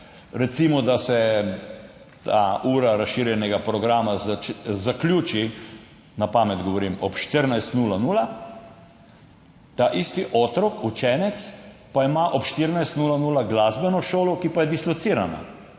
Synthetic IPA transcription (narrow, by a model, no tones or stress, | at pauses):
ɾɛt̪simɔd̪asɛ | t̪ʰauːɾaɾasʃiɾjɛnɛɡapɾɔɡɾaːmazaklʲjuːt͡ʃi | napaːmɛd̪ɡɔʋɔɾimɔpʃt̪əɾnajst̪nuːlanuːla | t̪aʔist̪iʔɔt̪ɾɔkut͡ʃɛːnɛt̪spaimaʔɔpʃt̪iɾnajst̪nuːlanuːlaɡlazbɛnɔʃoːlɔkipajɛd̪islɔt̪siːɾana̰